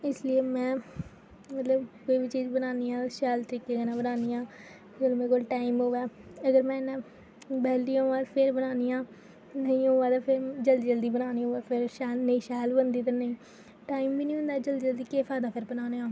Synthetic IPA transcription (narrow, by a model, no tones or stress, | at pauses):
ɪslieːmɛ̃ː | mət̪ləbkoːiːbiːt͡ʃiːd͡ʒbənaːniːãːʃɛːlt̪əɾiːkeːkaːnãːbənaːniːãː | əɡəlmɛ̃ːkoːlʈaːimɦoːʋɛːəɡəɾmɛ̃ːnãː | bɛːld̪ĩːãːpʰɪɾbənaːniːãː | nəĩːɦoːãːt̪aːpʰɪɾd͡ʒəld̪iːd͡ʒəld̪iːbənaːniːɦoːaːpʰɪɾʃɛːlnəĩːʃɛːlbənd̪iːt̪̬əɾnəĩː | ʈaːimbiːnĩːɦʊ̃nd̪aːd͡ʒəld̪iːd͡ʒəld̪iːkeːpʰaːd̪aːpʰɪɾbənaːneːãː